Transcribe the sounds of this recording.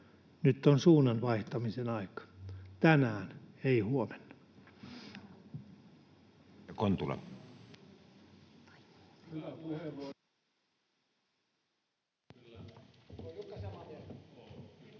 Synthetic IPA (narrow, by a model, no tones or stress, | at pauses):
nyt̪ːonsuːnɑnʋɑiht̪ɑmisenɑikɑ̥t̪ænæːneihuomenːɑ | ɑkont̪ulɑ̰m